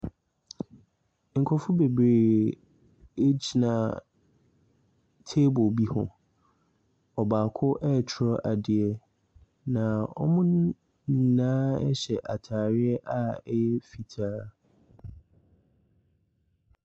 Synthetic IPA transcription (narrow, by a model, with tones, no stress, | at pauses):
ŋ̩˨kʰɔ˨fʊ˦be˨bɾeː˨ | e˦d͡ʑi˨nã˨ | tʰeː˦bʊ˨bi˦hʊ̰̃˨ | ɔ˨baː˨kʰʊ˦ʔɛ˦˨t͡ɕʰɪ˨ɾɔ˦ʔa˨dɪ˨ɛ˨ | nã˨ɔ̰˦mʊ̃˦nʊ̃˦ | nĩ˨nãː˦ɛ˦ɕɛ˨ʔa˨tʰaː˨ɾɪ˦ɛ˦ʔa˦ɛ˦jɛ˦fi˨tʰaː˦